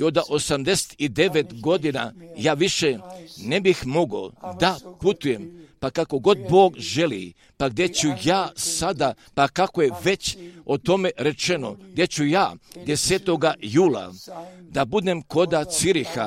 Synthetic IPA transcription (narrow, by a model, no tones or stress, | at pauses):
o̞d̪aʔo̞samd̪ese̥t̪id̪e̞ʋet̪ɡo̞d̪ina̰jaːʋiʃe̞nebixmo̞ɡo̞̰d̪aput̪uje̞mpakako̞ɡo̞d̪̚bo̞ːɡʒe̞lḭ | paɡd̪e̞t͡ɕujaːsad̪a | pakakojeʋe̞t͡ɕot̪o̞me̞ɾe̞t͡ʃe̞no̞̰ɡ̚d̪jet͡ɕujaːd̪e̞seːt̪o̞ɡajuːla̰d̪abud̪e̞mko̞d̪at̪siɾixa